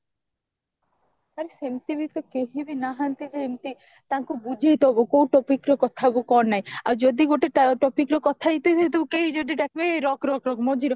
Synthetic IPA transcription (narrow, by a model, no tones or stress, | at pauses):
aɾesemt̪ibit̪ɔkeɦibenaɦant̪id͡ʒeemt̪i | t̪aŋkubud͡ʒʱit̪oɦbokowʈɔpikɾɔkɔt̪ʰabokɔɾnaja̰ɾd͡ʒod̪iɡoʈeʈʈɔpikɾokɔt̪ʰait̪et̪et̪ukeid͡ʒod̪iɖ̪ɛkʰbeɾɔkɾɔkɾɔkmod͡ʒʱiɾɔ